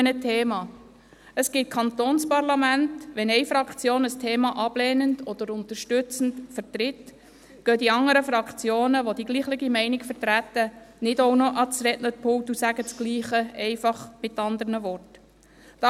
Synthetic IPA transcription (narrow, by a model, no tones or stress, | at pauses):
ənətʰeːmɑː | əsɡ̥ɪt̚kʰɑnt̪oːnspɑrlɑmæntʋɛnɛɪfɾɑkt͡sjoːnəstʰeːmɑʔɑb̥leːnəndɔd̥̪əɾʊntəɾʃtʏt͡sən̩tfəɾtɾɪt | ɡ̥œdiɑŋəɾəfɾɑkχt͡sjoːnəʋodiɡ̥liːχlɪɡimɛɪnɪkfəɾtɾæt̪ːənɪdownɔʔɑt͡sɾɛʔnəɾpʰʊwtusæɡət͡sɡ̥liːχəɛɪfɑχmɪtːɑnd̪əɾnəʋɔrt | tɑ